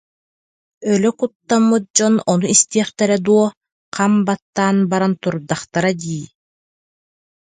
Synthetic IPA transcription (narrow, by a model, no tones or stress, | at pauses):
œlœkut̪ːamːɯt̪̚d͡ʑɔnɔnuist̪iɛχt̪ɛɾɛd̪uɔ | qʰambat̪ːaːnbaɾant̪uɾd̪aχt̪aɾad̪iː